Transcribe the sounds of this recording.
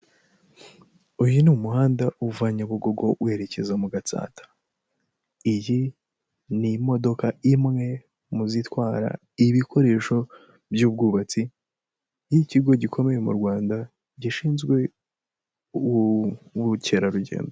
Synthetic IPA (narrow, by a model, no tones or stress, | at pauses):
ujinumuhaːndaʔuvaɲaβuɡo̞ɡo̞we̞ɾe̞ce̞zaumuɡat͡sa̰ːtḁ | iji | nimo̞do̞kaimŋe̞ | muzitwaːɾa̰ | iβikʰo̞ɾe̞ːʃo̞ | bjuːb̚ɡuːβat͡si | jiciɡo̞ɟikʰo̞me̞je̞mṵɾɡwaːnda | ɟiʃiːnzɡwe̞ | uβuce̞ɾaɾuɟe̞̰ːndo